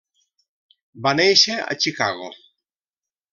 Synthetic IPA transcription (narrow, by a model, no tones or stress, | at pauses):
banejʃea̰t͡ʃikaɣo̰